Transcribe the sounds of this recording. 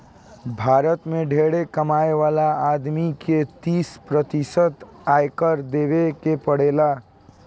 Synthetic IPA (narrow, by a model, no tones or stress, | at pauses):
bʱaɾət̪meɖʱeɽekəmaeʋalaːd̪miket̪ispɾət̪isət̪ajkəɾd̪eβekepəɽela